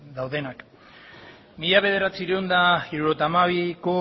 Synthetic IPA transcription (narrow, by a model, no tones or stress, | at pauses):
d̪awðe̞nak | miʎaβe̞ð̞e̞ɾat͡siɾeund̪aiɾuɾo̞t̪aːmaβiko̞